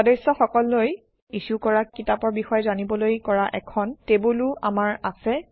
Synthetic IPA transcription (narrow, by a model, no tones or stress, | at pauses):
ɔdesɔxɔkɔlːoj | isukɔɹakitapɔɹbixɔjɛzanibɔlojkɔɹaʔɛkʰɔntebulʊamaɹasɛ